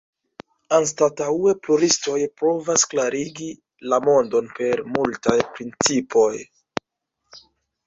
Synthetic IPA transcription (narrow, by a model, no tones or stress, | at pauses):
ans̬tatawe̞pluɾisto̞jpɾo̞vasklaɾiɡi | lamo̞ndo̞npe̞ɾmultajpɾint͡sipʰo̞j